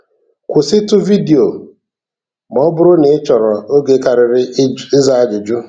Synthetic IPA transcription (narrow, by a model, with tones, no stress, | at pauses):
kʷʊ˨sɪ˦tʊ˦vi˦di˨o˨ | mɔ˦bʊ˦ɾʊ˦ne˨˦t͡ʃɔ˨ɾɔ˨o˦ɡe˨ka˨ɾɪ˨ɾɪ˦ɪ˦za˦a˦d͡ʒʊ˨d͡ʒu˦